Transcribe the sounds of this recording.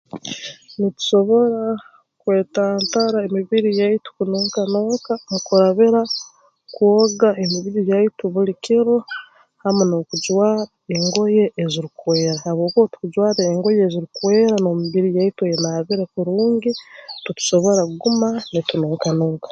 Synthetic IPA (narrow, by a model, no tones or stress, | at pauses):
nitu̥ʃo̞βo̞ɾa | kwe̞ːtaːntaɾaemiβiɾijaitu̥kunoːŋkanoːkanikuɾaβiɾa | kwoɡaemiβiɾijaituβulikiɾo | hamono̞kuɟwaːɾaeŋɡo̞je̞ʔːziɾikwe̞ːɾahaβwo̞ːkotu̥kuɟwaːɾeːŋɡo̞jeːziɾikuwe̞ːɾanoːmiβiɾijaitujenaβiɾekuɾuːŋɡitutu̥ʃo̞βo̞ɾaɡumanitunoːŋkanoːkḁ